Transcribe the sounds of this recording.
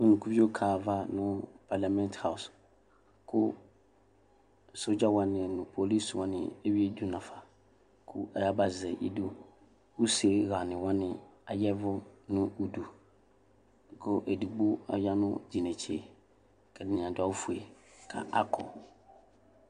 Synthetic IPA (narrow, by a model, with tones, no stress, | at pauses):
u˨nũ˨kʰu˦fi˦o˦kʰaː˨va˦nʊ̃˦pʰa˨la˨mɛ̃˦ntha˨ʊ˨s | kʰʊ˦˨ | so˦d͡ʑa˦wã˨nɪ̃˨nʊ̃˨pʰo˨li˦swã˦nɪ̰̃˨ɛ˦ɥi˦e˦du˦nã˨fa˨ | kʰʊ˦a˨ja˦ba˨zɛ˨ʔḭ˦do˦ | wu˦se˨˦ɣa˨nɪ̃˨wã˦nɪ̃˨a˨jɛ˦vʊ˦nʊ̃˦u˦du˨ | kʰʊ˦ʔɛ˨du˨ɡ͡bo˦a˨ja˦nʊ̰̃˦d͡ʑi˨nɛ̃˨t͡ɕʰi˦e˨ | kʰɛ˨dɪ˨nĩ˨ã˨da˦fu˨e˨kʰa̰˨ʔa̰˦kʰɔ̰˨